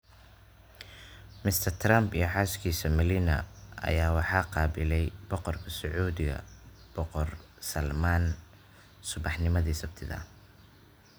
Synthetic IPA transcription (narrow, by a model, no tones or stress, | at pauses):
mɪst̪ʰɐrt̪ʰrambijɞħɑːskʰiːsɐmɪlinɐ̰ɐ̰jaːwɑħɑːqɑːbɪlɛjbɔqɔrkʰɐsʊʕuːðɪɣɐ̰b̥ɔqɔr | sɐlmaːn | sʊβɑħnɪmɐðiːsɐbt̪ʰɪðɐ̰